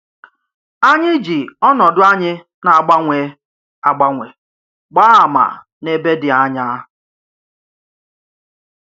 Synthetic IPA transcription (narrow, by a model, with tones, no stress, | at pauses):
a˦ɲɪ˦d͡ʒi˨ɔ˦nɔ˨dʊ˦a˦ɲɪ˦ | na˨ɡ͡ba˦ŋʷe˨˦ | a˨ɡ͡ba˦ŋʷe˨ | ɡ͡ba˦a˨ma̰˨ | ne˦be˦dɪ˨a˦ɲa˦